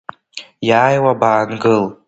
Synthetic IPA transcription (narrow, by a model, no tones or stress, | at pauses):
jaːjwabaːnɡɨl